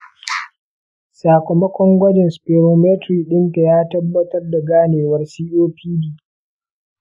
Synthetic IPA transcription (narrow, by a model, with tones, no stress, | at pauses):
saː˨kʷɔ˨mɐ˦kʷɔ˦ŋɡʷɐ˦d͡ʒɛ˨nspeː˨ɾoː˨meː˦tɾiː˨ɗɪ˦nta˨jaː˦tɐ˦bːɐ˦tɐ˦rda˨ɡaː˦neː˨wɐ˦rsiː˦ʔoː˦ɸiː˦diː˨